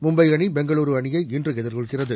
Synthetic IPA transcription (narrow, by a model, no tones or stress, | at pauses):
mʊmbɐɪɣɐɳibɛŋɡɐɭuːɾɯʋɐɳɪjɐɪɪndrɯɣɛðɪɾɣɯɭkɪrɐðɯ